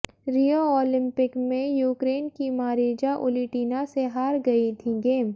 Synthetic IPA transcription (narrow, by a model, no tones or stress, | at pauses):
ɾiːoɔːlɪ̃mpɪkmẽjuːkɾeːnkimaːɾeːd͡ʒaʔʊ̰liʈiːnaseɦaːɾɡɐit̪ʰiɡeːm